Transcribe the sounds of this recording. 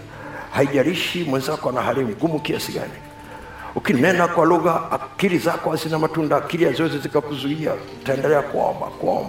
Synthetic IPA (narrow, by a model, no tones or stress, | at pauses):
haiʄaɾiʃimwɛnzakɔanaɦaɾim̩ɡumukiasiɡa̰ni | ukinɛnakwaluɣaakiɾizakɔazinamatundaːkiɾijazɔɛzizikakuzuia̰ | taɛndɛlɛakuɔ̰mba̰kua̰ɔ̰mba